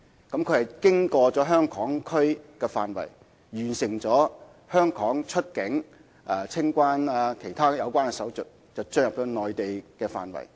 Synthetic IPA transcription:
kɐ˨˥mkʰɵ˨˧ɥhjkɪ˥ŋkɔː˧t͡sɔː˨˥ɦœː˥ŋkʰɔː˨˥ŋkʰɵ˥ɥkɛː˧faː˨nwɐ̰˨˩j | ɥyː˨˩nsɪ˨˩ŋt͡sɔː˨˥ | hœː˥ŋkʰɔː˨˥ŋt͡ʃʰɵ˥t̚kɪ˨˥ŋ | ʔaː˨˧t͡sʰɪ˥ŋkʷaː˥naː˧kʰe˨˩jt̪ʰaː˥jɐ˨˧wkʷaː˥nkɛ˧sɐ˨˥wt͡sɵ˨t̚ | t͡sɐ˨wt͡sɵ˥njɐ˨p̚t̪ɔ˨˧˥nɔː˨jt̪e˨jkɛː˧fa̰ː˨nwɐ̰˨˩j

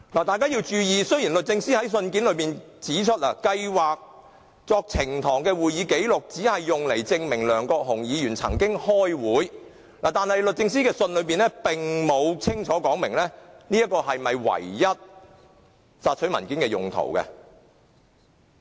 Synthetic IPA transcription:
laː˨˩t̪aː˨jkaː˥jiː˧wt͡ʃyː˧jiː˨sɵ˥ɥjiː˨˩nlɵ˨t̚t͡sɪ˧ŋsiː˥hɐ˨˥js̬ɵ˧nkiː˨˥nlɵ˨˧ɥpiː˨n | t͡siː˨˥t͡ʃʰɵ˥t̚la̰ː˨˩kɐ˧jwaː˨k̚ | t͡sɔː˧k̚t͡sʰɪ˨˩ŋt̪ʰɔː˨˩ŋkɛː˧wuː˨jiː˨˧˥ke˨˥jlʊ˨k̚t͡siː˨˥hɐ˨jːʊ˨ŋle˨˩jt͡sɪ˧ŋmɪ˨˩ŋlœː˨˩ŋkɔː˧k̚ɦʊ˨˩ŋjiː˨˧jyː˨˩nt͡sʰɐ̰˨˩ŋkɪ˥ŋhɔː˥jwuː˨˥j | laː˨˩t̪aː˨nhɐ˨jlɵ˨t̚t͡sɪ˧ŋsiː˥kɛː˧sɵ˧nlɵ˨˧˥ɥpiː˨nɛː˥pɪ˨ŋmo˨˧wt͡sʰɪ˥ŋt͡ʃʰɔː˨˥kɔː˨˥ŋmɪ˨˩ŋlɛː˥niː˥jɐ˥t̚kːɔː˧ɦɐ˨jmɐ˨jwɐ̰˨˩jːɐ˥t̚ | saː˧t̚t͡ʃʰɵ˨˥mɐ˨˩nkiː˨˥nkɛː˧jʊ̰˨˩ŋt̪ʰo̰˨˩wkɐ̰˧

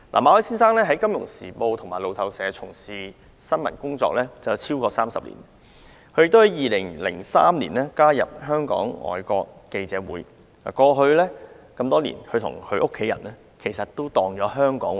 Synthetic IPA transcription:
la̰ː˨˩maː˨˧wɔː˨˥jsiː˥nsaː˥ŋlɛː˥ɦɐ˨˥jkɐ˥mjʊ˨˩ŋsiː˨˩po˧wt̪ʰʊ˨˩ŋmaː˨˩jlo˨˧wt̪ʰɐ˨˧wsɛː˨˧t͡sʰʊ˨˩ŋsiː˨ | sɐ˥nmɐ˨˩nkʊ˥ŋt͡sɔ̰ː˧k̚lɛː˥t͡sɐ˨wt͡sʰiː˥wkɔː˧saː˥msɐ˨p̚lḭː˨˩n | kʰɵ˧˥jkt̪hɐ˨˥jiː˨˧lɪ˨˩ŋlɪ̰˨˩ŋsa̰ː˥mlḭː˨˩nɛː˥kaː˥jɐ̰˨p̚ɦœː˥ŋkɔ̰ː˨˥ŋɔ̰ː˨˩jkɔː˧kːe˧jt͡sɛː˨˥wuː˨˥j | la̰ː˨˩kɔː˧ɦɵ˧ɥlɛː˥ | kɐ˧mt̪ɔː˥lḭː˨˩nkʰɵ˧t̪ʰʊ̰˨˩ŋhʰɵ˧ɥʔʊ˥kʰːe˨˥jɐ̰˨˩nɛː˥ | kʰe˨˩jsɐ˨t̚t̪ːo˥wt̪ɔː˨ŋjɔː˨˧˥ɦœː˥ŋkɔ̰ː˨˥ŋ

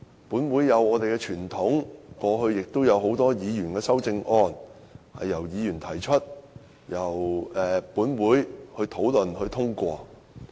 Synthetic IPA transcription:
puː˨˥nwuː˨˥jːɐ˨˧wɔː˨˧t̪e˨jkɛː˧t͡ʃʰyː˨˩nt̪ʰʊ˨˥ŋkɔː˧ɦɵ˧ɥjɪ˨k̚t̪o˥wjɐ˨˧wɦo˨˥wt̪ɔː˥jiː˨˧jyː˨˩nkɛː˧sɐ˥wt͡sɪ˧ŋʔɔː˥n | hɐ̰˨jːɐ˨˩wjiː˨˧jyː˨˩nt̪ʰɐ˨˩jt͡ʃʰɵ˥t̚ | jɐ˨˩wɛː˨puː˨˥nwuː˨˥jhɵ˧ɥt̪ʰo˨˥wlɵ˨nhɵ˧ɥt̪ʰʊ˥ŋkʷɔː˧

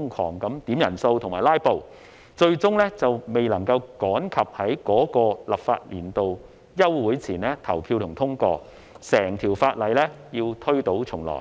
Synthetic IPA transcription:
ŋkʰɔː˨˩ŋkɐ˨˥mt̪iː˨˥mjɐ˨˩nso˧wt̪ʰʊ˨˩ŋmaː˨˩jlaː˥jpo˨w | t͡ʃɵ˧ɥt͡sʊ˥ŋlɛː˥t͡sɐ˨wme˨˩jlɐ˨˩ŋkɐ˧wkɔː˨˥nkʰɐ˨p̚hɐ˨˥jkɔː˨˥kɔː˧lɐ˨˩p̚fa̰ː˧t̚liː˨˩nt̪o˨w | jɐ˥wːuː˨˥jt͡sʰiː˨˩nlɛː˥t̪ʰɐ˨˩wpʰiː˧wt̪ʰʊ˨˩ŋt̪ʰʊ˥ŋkɔː˧ | sɛː˨˩ŋt̪ʰiː˨˩wfaː˧t̚lɐ˨˩jlɛː˥jiː˧wt̪ʰɵ˥ɥt̪o˨˥wt͡sʰʊ˨˩ŋlɔ̰ː˨˩j

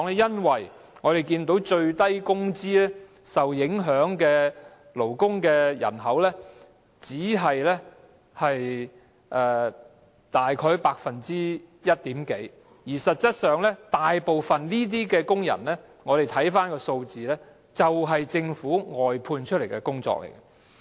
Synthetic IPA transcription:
ɔ˨ŋɛ˥jɐ˥nwɐ˨˩j | ŋɔː˨˧ɾe˨jkiː˧nt̪o˨˥wt͡ʃɵ˧ɥt̪ɐ˥jkʊ˥ŋt͡siː˥lɛː˥ | sɐ˨wjɪ˨˥ŋɦœː˨˥ŋkɛː˧ | lo˨˩wkʊ˥ŋkɛː˧jɐ̰˨˩nɦɐ˨˥wlɛː˥ | t͡siː˨˥ɦɐ˨jlɛ˥ | hɐ˨j | ʔɛː˧ | t̪aː˨jkʰɔː˧˥jpaː˧k̚fɐ˨nt͡siː˥jɐ˥t̚t̪iː˨˥mke˨˥j | jiː˨˩sɐ˨t̚t͡sɐ˥t̚sœː˨ŋlɛː˥t̪aː˨jpo˨˧wfɐ˨nniː˥t̪̬iː˥kɛː˧kʊ˥ŋjɐ̰˨˩nlɛː˥ | ŋɔː˨˧ɾe˨jt̪ʰɐ˨˥jfaː˥nkɔː˧so˧wt͡siː˨lɛː˥ | t͡sɐ˨wɦɐ˨jt͡sɪ˧ŋfuː˨˥ŋɔː˨jpʰuː˧nt͡ʃʰt̚le˨˩jkɛ˧kʊ˥ŋt͡sɔ̰ː˧k̚lʔḛ˨˩jkɐ˧˥

